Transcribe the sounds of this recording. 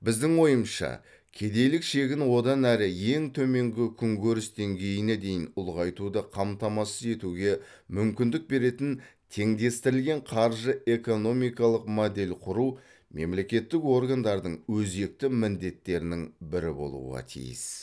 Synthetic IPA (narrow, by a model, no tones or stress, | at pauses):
bɪzd̪ɪŋwo̞jəmʃɑ̰ | kʲʰe̞d̪e̞jlɪkʃe̞ɡʲɪnwo̞d̪ɑnæɾɪje̞ŋt̪ʰɵme̞ŋɡʲɪkʲʰʏŋɡʲʰɵɾɪsd̪e̞ŋɡʲe̞jɪned̪e̞jɪnʊlˠʁɑjt̪ud̪ɑqʰɑmt̪ɑmɑsəze̞t̪uɡʲe̞ | mʏmkʲɪnd̪ɪk̚be̞ɾe̞t̪ɪnt̪ʰe̞ŋd̪e̞st̪ɪɾɪlɡʲe̞ɴqʰɑɾʒəʔe̞ko̞no̞mijkɑlˠəqmod̪e̞lʲqʰʊɾuw | me̞mle̞kʲe̞t̪ːɪko̞ɾɡand̪ɑɾd̪əɴwɵze̞k̚t̪ɪmɪnd̪e̞t̪ːe̞ɾɪnɪŋbɪɾɪbo̞̰lˠṵʁɑ̰t̪ʰḭjɪ̰s